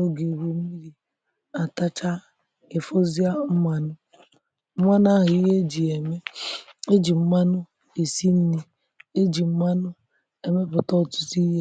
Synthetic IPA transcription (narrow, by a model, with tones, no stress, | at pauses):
o˦ɡi˨wu˦mi˦ɾi˨ | a˨ta˦t͡ʃa˦ | ɪ˨fo˦zi˦a˦m̩˦ma˨nʊ˦ | mʷa˦na˦˨ɦʊ˨i˦ɦe˦d͡ʒi˨e˨me˦e˦d͡ʒi˨m̩˦ma˦nʊ˦ | e˨si˦n̩˦ni˦ | e˦d͡ʒi˨m̩˦ma˦nʊ˦ | e˨me˦pʊ˨tɔ˦˨tu̥˦ti˦ɦe˦